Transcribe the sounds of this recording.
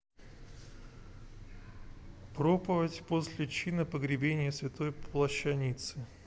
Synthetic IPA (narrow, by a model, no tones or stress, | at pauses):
pɾopəvətʲposʲlʲɪt͡ɕinəpəɡɾʲɪbʲenʲɪjəsvʲɪt̪o̞jlˠəɕːɐnʲit̪sɨ